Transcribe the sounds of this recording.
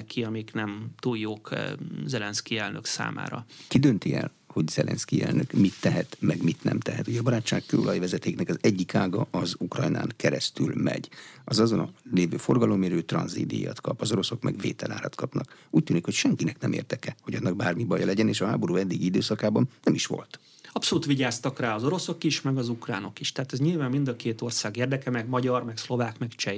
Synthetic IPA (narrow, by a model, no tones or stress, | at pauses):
kʰiɒmiknɛmt̪ujjːoːkzɛlɛnskiɛlnøksa̰ːma̰ːɾɒkid̪ønt̪iɛ̰l | ho̞ɟz̥ɛlʔɛ̰nskiɛ̰lnøkmit̪ːɛɦɛt̪mɛɡmit̪nɛ̰mt̪ɛɦɛt̪uɟɛːbɒɾaːtt͡ʃːaːkkøːolʔɒjivɛzɛt̪eːknɛkɒzɛɟːikaːɡɒʔɒzukrɒjna̰ːŋkɛɾɛst̪ylmɛ̰ɟɒzɒzonɒ̰leːvø̰ːfo̞rɡɒlo̞mːiɾøːt̪rɒ̰nzḛːd̪ḭja̰ːt̪kɒpɒzo̞ɾo̞so̞kmɛ̰ɡvḛːt̪ɛlaːɾɒt̪kɒpnɒkuːc̚t̪yːnikho̞cʃɛŋkinɛknɛmḛːrd̪ɛkɛho̞ɟɒnːɒɡbaːrmibɒjɒlɛɟɛneːʃɒɦa̰ːbo̞ɾuːɛd̪ːiɡiid̪øːsɒkaːbɒnːɛmiʃʋo̞̰lt̪ | ɒpso̞luːt̪ʋiɟaːst̪ɒkraːɒzo̞ɾo̞so̞kiʃmɛɡɒzukra̰ːno̞kiʃt̪ɛɦaːt̪ɛzɲilvaːmːind̪ɒkeːt̪o̞rsaːɡeːrd̪ɛkɛmɛɡmɒɟɒrmɛkslo̞vaːkmɛkt͡ʃɛj